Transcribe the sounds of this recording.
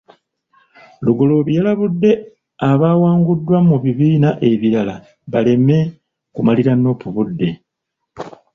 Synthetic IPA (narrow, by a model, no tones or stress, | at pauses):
luɡo̞lo̞βjalaβudːe̞ | aβaːwaːŋɡudːwamuβiβiːnaʔe̞βiɾala | βale̞me̞ | kumaliɾanːo̞ːpuβudːe̞